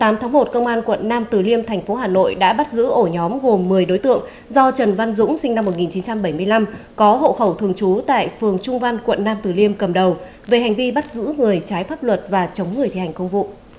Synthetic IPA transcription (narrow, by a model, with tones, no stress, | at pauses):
t̪aː˨˦mt̪ʰaː˨˦ŋmo˨˩t̚kə˧wŋ͡mʔaː˧nkwə̰˧˨nːaː˧mt̪ɨ˨˩li˧əmt̪ʰɛ˨˩jŋ̟fo˨˦ɦaː˨˩no̰˧˨jɗa̰ː˧˥ɓa˦˥t̚zɨ̰˧˥ʔo˧˩ɲɔ˨˦mɣo˨˩mːɨ˨˩əjɗo˨˦jt̪ɨ̰˧˨əŋ | zɔ˧t͡ɕə˨˩nva˧nzʊ̰˧˥ŋ͡msï˧ŋ̟na˧mːo˨˩t̚ŋi˨˩nt͡ɕi˨˦nt͡ɕa˧mɓə˧˩jmɨ˧əjla˧mkɔ˨˦ɦo̰˧˨xə˧˩wt̪ʰɨ˨˩əŋt͡ɕu˨˦t̪a̰ː˧˨jfɨ˨˩əŋt͡ɕʊ˧ŋ͡mva˧nkwə̰˧˨nːaː˧mt̪ɨ˨˩li˧əmkə˨˩mɗə˨˩w | ve˨˩ɦa˨˩ŋ̟vi˧ɓa˦˥t̚zɨ̰˧˥ŋɨ˨˩əjt͡ɕaː˨˦jfaː˦˥p̚lwə˨˩t̚vaː˨˩t͡ɕə˨˦wŋ͡mŋɨ˨˩əjt̪i˧˩a˨˩jŋ̟kə˧wŋ͡mvṵ˧˨